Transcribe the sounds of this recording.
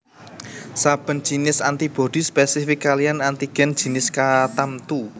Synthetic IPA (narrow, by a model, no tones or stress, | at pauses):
sab̥ə̤n̥d͡ʒ̥i̤nɪsant̪ib̥o̤d̪̥ispɛsifɪkːalijanant̪iɡ̥ɛ̤n̥d͡ʒ̥i̤nɪskat̪amt̪u